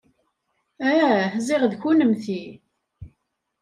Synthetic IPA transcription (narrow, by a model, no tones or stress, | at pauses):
æhzɪʁðçunəmθi